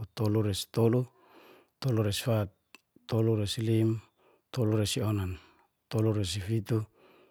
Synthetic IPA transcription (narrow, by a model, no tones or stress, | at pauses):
t̪oluɾesi̥t̪olu | t̪oluɾesi̥fat̪̚ː | oluɾesilim | t̪oluɾesionan | t̪oluɾes̬ifit̪u